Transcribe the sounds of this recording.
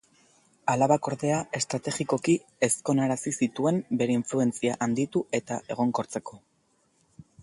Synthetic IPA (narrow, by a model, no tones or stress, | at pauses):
alaβako̞ɾðe̞ae̞st̪ɾat̪e̞ɣiko̞ki | e̞sko̞naɾasisit̪ue̞mbe̞ɾe̞iɱflue̞nt͡siaʔand̪it̪ue̞t̪aʔe̞ɣ̞o̞ŋko̞ɾt͡se̞ko̞